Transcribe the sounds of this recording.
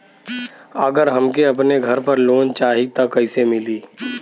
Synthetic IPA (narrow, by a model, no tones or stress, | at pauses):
əɡəɾɦɐmkeɐp̬neɡʱɐɾpɐɾloːnt͡ʃaːɦit̪ɐkɐɪsemɪliː